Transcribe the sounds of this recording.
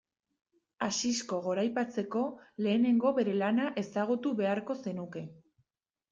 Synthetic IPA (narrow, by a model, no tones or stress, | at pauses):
asisko̞ɣ̞o̞ɾajpat͡se̞ko̞le̞ːne̞ŋɡo̞βe̞ɾe̞lanaʔe̞saɣ̞ut̪uβe̞aɾko̞se̞nuke̞